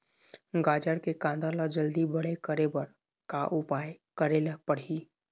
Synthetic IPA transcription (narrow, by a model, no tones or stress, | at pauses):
ɡaːd͡ʒəɾkekãːnd̪alad͡ʒɐld̪ibɐɽekəɾebəɾ | kaʔʊpaːj | kəɾeːlapɐɽ̤iː